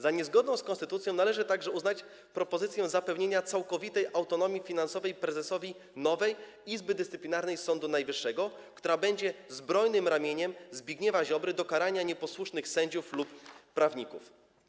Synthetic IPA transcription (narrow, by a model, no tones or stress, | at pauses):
zaɲɛzɡɔd̪nɔ̃w̃skɔnst̪ɘt̪ut̪sʲjɔ̃w̃nalɛʐɘt̪aɡʐɛuznat͡ɕ | pɾɔpɔzɘt̪sʲjɛ̃zapɛvɲeɲat̪sawkɔvʲit̪ɛjʔawt̪ɔnɔmʲjifʲinansɔvɛjpɾɛzɛsɔvʲi | nɔvɛj | izbɘd̪ɘst̪ɘplʲinaɾnɛjsɔnd̪unajvɘʂːɛɡɔkt̪uɾabɛɲd͡ʑɛzbɾɔjnɘmɾamʲjeɲɛmzbʲjiɡɲɛvaʑɔbɾɘd̪ɔkaɾaɲaɲɛpɔswuʂnɘxsɛɲd͡ʑuflupːɾavɲikuf